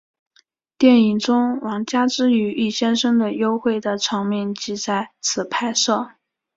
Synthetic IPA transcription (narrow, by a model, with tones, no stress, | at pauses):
t̪jɛ˥˩ni˨˩ŋʈ͡ʂʊ˥ŋwɑ˧˥ŋt͡ɕja˥ʈ͡ʂɻ̩˥y˧˥y˥˩ɕjɛ˥nʂɤ˥ŋd̪ə˨jo˥ʊxwe˥˩ɪd̪ə˩ʈ͡ʂʰɤ˧˥ŋmi˥˩nt͡ɕi˧˥t͡sa˥˩ɪt͡sʰɹ̩˨˩pʰa˥˧ɪʂɤ˥˩